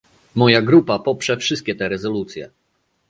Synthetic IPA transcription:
mɔjaɡɾupapɔpʂɛfʂɘst̪̚kʲɛt̪ɛɾɛzɔlut̪sʲjɛ̰

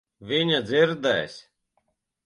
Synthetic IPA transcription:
viɲad̪ziɾd̪ɛːjsʲ

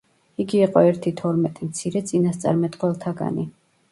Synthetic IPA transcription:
iɡiːqʼɔɛɾt̪ʰit̪ʰɔɾmɛt̪ʼimt̪sʰiɾɛt̪sʼinast̪sʼa̰ɾmɛt̪ʼqʼwɛlˠt̪ʰaɡa̰ni

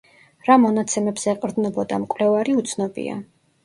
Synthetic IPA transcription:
ɾamɔnat̪sʰɛmɛbz̥ɛɛqʼɾd̪nɔbɔd̪amkʼwlɛvaɾiut̪sʰnɔbḭa̰

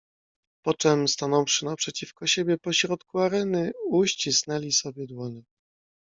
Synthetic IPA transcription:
pɔt͡ʂɛmst̪anɔ̃wfʂɘnapʂɛt͡ɕifkɔɕebʲjɛpɔɕɾɔt̪kuaɾɛnɘuɕt͡ɕisnɛlʲisɔbʲjɛd̪wɔɲɛ

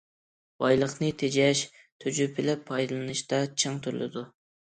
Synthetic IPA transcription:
bɑjlˠəχnɨt̪ʰed͡ʒɛʃ | t̪ʰyd͡ʒypʰɪlɛpʰːɑjd̪ɨlˠɨnɨʃt̪ɑt͡ʃʰɨŋt̪ʰyɾ̰lˠɪ̰d̪u

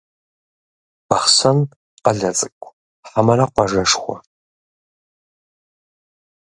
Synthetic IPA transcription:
baχsɐn | qaɮɐt͡sʼɨkʷʼ | ħamaɾaqʷaʐaʂχʷa̰

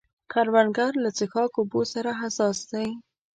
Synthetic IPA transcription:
kʰaɾwanɡaɾlat͡sɪxɑkobosaɾaɦasɑsd̪aj

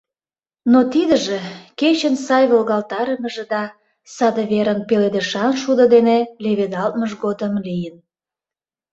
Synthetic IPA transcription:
not̪id̪əʒeket͡ɕənsɑjβolɣɑlt̪ɑɾəməʒĕd̪ɑ | sɑd̪əβeɾənpeled̪eʃɑnʃud̪əd̪eneleβed̪ɑlt̪̚məʒɡod̪əmlijən

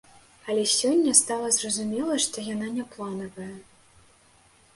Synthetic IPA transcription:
ɐlʲɛsʲɔnʲːɐst̪alˠɐzrɐzumʲɛlˠɐʂt̪ɔjananʲɛplˠanɐvɐjɐ

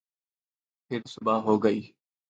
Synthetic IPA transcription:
pʰɪɾsʊbaːɦoːɡəiː

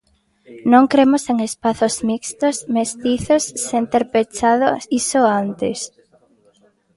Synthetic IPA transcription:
nõŋkɾemʊseŋespaθʊzmikst̪osmest̪iθosːent̪eɾpet͡ʃaðʊsisoant̪ɪs

